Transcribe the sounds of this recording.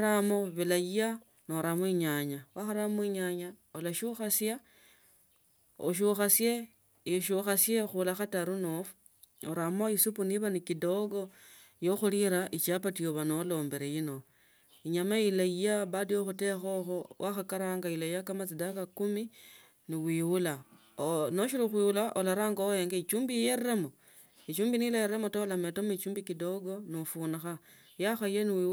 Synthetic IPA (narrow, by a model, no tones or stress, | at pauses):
ɾamo̞βilajija | noɾamwiɲaɲawaxaɾamuiɲaɲaolaʃuxasja | o̰ʃ̬uxasje | iʃuxasjexulaxataɾunofu̥ | oɾamo̞isupuniβanikido̞ɡo̞ | joxuliɾaʔit͡ʃapatijoβanolo̞ːmbe̞ɾejino̞ | iɲamailaijaβadijoxute̞xoxowʔaxakaɾaŋɡailaijakamat͡sidakakumi | niwiːwula | no̞ʃiɾuxwiwulaʔolaɾaːŋɡaojeːŋɡait͡ʃuːmbijeɾemo | it͡ʃuːmbinilajerɾe̞motolametomuit͡ʃuːmbikido̞ɡo̞nifuːnaxa | jaxajeniwiː